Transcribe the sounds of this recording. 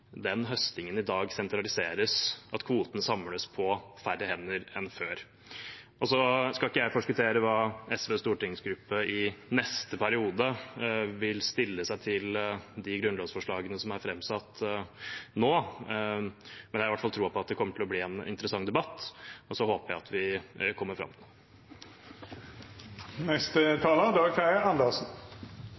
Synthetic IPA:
d̪ɛnɦœst̪ɪŋənɪd̪ɑːɡsɛnt̪ɾɑlɪseːɾəsʔɑt̪kʰʋuːt̪ənəsɑmːləspʰɔfæɾəhɛnːəɾɛnføːɾ | ʔɔsɔskɑlɪkːəjæɪfɔʂkʉt̪ʰeːɾəʋɑːɛsʋeːst̪uːʈɪŋsɡɾʉpːəɪnɛst̪əpʰæɾɪuːd̪əʋɪlst̪ɪlːəsæɪt̪ʰɪld̪ɪɡɾʉnloːsfɔʂɭɑːɡənəsɔmæɾfɾɛmːsɑt̪ː | noː | mɛnjæɪʋæʈfɑlt̪ʰɾuːpɔɑt̪̚d̪ɛkʰɔmːəʈʰɪlɔbliːɛnɪ̰nt̪əɾəsɑŋːd̪ɛbɑt̪ːɔsɔhoːpəjæɪɑt̪ʰʋɪkʰɔmːəɾfɾɑ̰mːt̪ʰɪ | nɛst̪ət̪ʰɑːləd̪ɑːɡkæɪɑnd̪əsn̩

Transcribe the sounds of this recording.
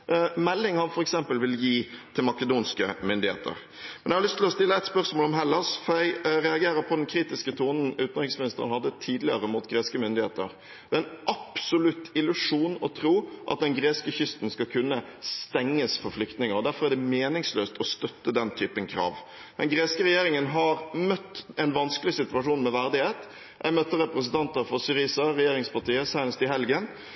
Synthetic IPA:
mɛlːɪŋhɑnfɔɾɛksɛmpəlʋɪljiːt̪ʰɪlmɑkəd̪uːnskəmʏnd̪ɪhḛːt̪ə̰ɾ | mɛnæɛhɑlʏst̪ɪlɔst̪ɪlːəɛt̪spœʁsmoːlɔmɦɛlːɑʂfɔɾjæɪɾɛɑɡeːɾəɾpʰɔd̪ɛnkʰɾiːt̪ɪskət̪ʰuːnn̩ʉːt̪nʁɪŋsmɪnɪst̪əʁənhɑd̪ːət̪ʰiːd̪lɪəɾəmuːt̪ɡɾeːskəmʏnd̪ɪheːt̪əɾ | d̪ɛːɪnʔɑpsɔlʉt̪ɪlʉʂuːnɔt̪ʰɾuːʔɑ̰t̪̚d̪ɛnɡɾeːskəçʏst̪n̩skɑkʰʉnːəst̪ɛŋːəsfɔɾflʏkt̪nɪŋəɾɔd̪æɾfɔɾæɖd̪ɛmeːnɪŋsløːst̪ʰɔst̪œt̪ːəd̪ɛnt̪ʰyːpənkʰɾɑ̰ːʋ | d̪̥ɛnɡɾeːskəɾɛjeːɾɪŋənɦɑɾmœt̪ːɛnʋɑnskəlɪsɪt̪ʉɑʂuːnmɛʋæɾd̪ɪheːt̪ | ʔæ̰ɪmœt̪ːəɾɛpɾəsən̩t̪ʰɑnt̪əɾfɔsɪɾisɑɾɛjeːɾɪŋspɑʈ̪iːəsæɪnəst̪ɪɦɛlɡən

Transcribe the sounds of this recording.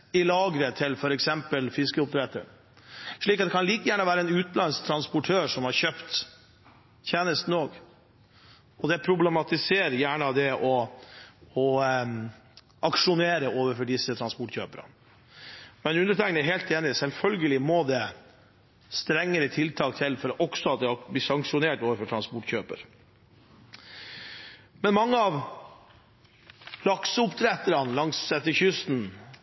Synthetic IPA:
ɪlɑːɡɾət̪ʰɪlfɔɾɛksɛmpəlfɪskəʊp̚t̪ʰɾɛt̪ə̰ɾ | ʂɭiːkɑt̪d̪ɛkʰɑnliːkəjæːɳəʋæːɾəɛnʉːt̪lɑnst̪ʰɾɑnspʊʈʰøːʂɔmhɑɾɕøːpt̪ | çʰeːnəst̪n̩oːɡ | ɔd̪ɛpʰɾʊblɛmɑt̪ɪseːɾjæːɳəd̪ɛʔɔ | ɔ | ʔɑkʂʊneːɾəoːʋəɾfɔɖɪsːət̪ʰɾɑnspɔʈɕø̰ːpəɾə̰ | mɛnʉnd̪əʈʰɛŋkənɛɦeːlt̪eːnɪsɛlfœlɡəlɪmɔd̪ɛ | st̪ɾɛŋːəɾət̪ʰɪlt̪ʰɑːk̚t̪ʰɪlfɔɾʔɔksɔɑt̪̚d̪ɛblɪsɑŋkʂʊneːʈoːʋəɾfɔʈʰɾɑnspɔʈçøːpə̰ɾ | mɛnmɑŋːəɑʋ | lɑksəʊpt̪ʰɾɛt̪əɾɑnlɑŋsɛt̪ːəçʏst̪n

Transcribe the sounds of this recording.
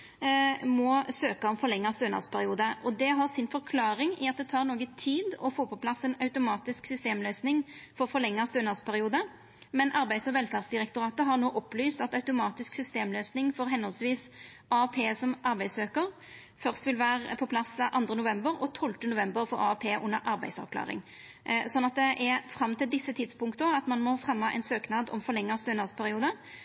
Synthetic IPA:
mɔsøːkəɔmfɔɾlɛŋːɑst̪øːnɑ̰ʁspʰæɾɪuːd̪əʔɔd̪ɛɦɑʁsɪnfɔɾkʰlɑːɾɪŋɪɑt̪̚d̪ɛt̪ʰɑːɾnoːɡət̪ʰiːd̪ɔfoːpʰɔpʰlɑsɛnɑʉt̪ʊmɑːt̪ɪsksʏst̪eːmløːsnɪŋfɔɾfɔɾlɛŋːɑst̪øːnɑʁspʰæɾɪuːd̪ə | mɛnʔɑɾbæɪd̪sɔʋɛlfæːʁd̪sd̪ɪʁɛk̚t̪ʊɾʁɑːt̪əɦɑʁnoːʔɔpːlyːst̪ɑt̪ɑʉt̪ʊmɑːt̪ɪsksʏst̪eːmløːsnɪŋfɔɾɦɛnhɔlsʋiːs | ɑɑpʰeːsɔmʔɑɾbæɪsøːkəʁ | fœʁst̪ʋɪlʋæːʁpʰɔpʰlɑsʔɑnd̪ʁənʊʋɛmbəɾɔt̪ʰɔlt̪ənʊʋɛmbəɾfɔɾɑ̰ɑpʰeːʔʊnːəɾʔɑɾbæɪsɑ̰ʋkʰlɑ̰ːʁɪ̰ŋ | sɔnːɑt̪̚d̪ɛʔɛfɾʁɑmːt̪ʰɪld̪ɪsːət̪ʰɪd̪spʊŋkt̪əɑt̪mɑnmɔfʁɛmːɑʔɛ̰ɪnsøːknɑːd̪ɔ̰mfɔɾlɛŋːɑst̪øːnɑspʰæʁɪuːd̪ə

